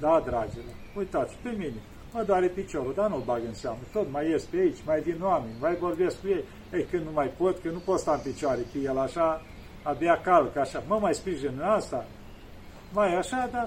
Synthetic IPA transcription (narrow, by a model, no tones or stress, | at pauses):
d̪ad̪ɾad͡ʒele | ujt̪at̪sʲpe̞mine | məd̪oaɾepit͡ʃo̞ɾud̪anulbaɡəɨnseamnət̪ot̪majest̪p̪eait͡ʃʲmajd̪inoame̞nʲmajvorbe̞sk̚kujej | əjkɨnnumajpot̪kɨnnupot̪st̪aɨnpit͡ʃoaɾepejelaʃaː | beakalkəaʃaməmajspɾiʒenɨnast̪a | majaʃad̪a